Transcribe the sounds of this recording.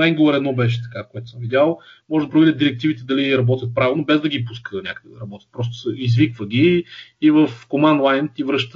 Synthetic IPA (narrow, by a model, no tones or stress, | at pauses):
ɛŋɡlˠəɾɛd̪nɔbɛʃ̬ɛ̥t̪ɐ̥kakoɛt̪səmvid̪jalˠmɔʒɛd̪ɐpɾovid̪ʲəd̪iɾɛkt̪ivit̪ɛd̪ɐliɾɐbɔt̪ʲjət̪̚pɾavʲilˠnobɛzd̪ɐɡʲipuskənʲakəd̪ɛd̪ɐɾɐbɔt̪jə̥t̪pɾɔst̪ʊ̥səizvikvəɡʲiːvəfkomand̪lˠajnt̪ivɾɤʃt̪ə